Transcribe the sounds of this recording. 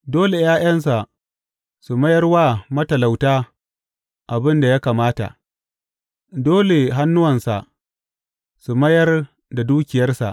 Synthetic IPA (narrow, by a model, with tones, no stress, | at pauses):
doː˦le˨jaː˦jɐ˦nsa˨ʔ | su˨mɐ˦jɐ˦rwaː˦mɐ˦tɐ˨la˨wtaː˦ | ʔa˨bɪ˦nda˨ja˦kaː˨maː˦ta̰˨ʔ | doː˦le˨ɦa˦nːʊ˦wɐ˨nsa̰˨ʔ | su˨mɐ˦jɐ˦r | da˨duː˦kʲɪ˨jɐ˦rsa̰˨ʔ